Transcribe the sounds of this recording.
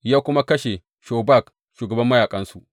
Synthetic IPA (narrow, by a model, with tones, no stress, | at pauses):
jaː˦kʷʊ˦ma˦kɐ˦ʃe˨ | ʃoː˨ba˦˨k | ʃuː˨ɡɐ˨bɐ˦mːɐ˦jaː˨kʼɐ˦nsu˨ʔ